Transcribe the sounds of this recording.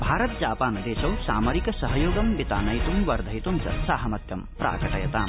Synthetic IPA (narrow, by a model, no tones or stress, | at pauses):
bʱaːɾɐt̪d͡ʒaːpaːnd̪eːʃɐwsaːmɐɾikɐsɐɦɐjoːɡɐmbit̪aːnɐjt̪umʋɐɾd̪ʱɐjt̪umt͡ʃɐ̰saːɦɐmɐt̪jɐmpɾa̰ːkɐʈɐjɐt̪aːm